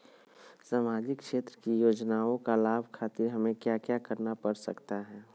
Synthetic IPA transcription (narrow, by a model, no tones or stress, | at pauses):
samaːd͡ʒɪkʃeːt̪ɾəkijoːd͡ʒnaːõkalaːbʱkʰaːt̪ɪɾɦɐmẽkjaːkjakəɾnapəɾsə̰kt̪aɦɛː